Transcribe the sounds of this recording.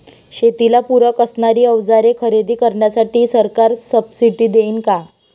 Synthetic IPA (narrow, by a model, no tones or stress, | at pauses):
ɕet̪ilapuɾəkəsɳaɾiːəʋd͡zaɾekʰəɾed̪iːkəɾɳjasaʈiːsəɾkaɾsəbsiʈiːd̪eiːnka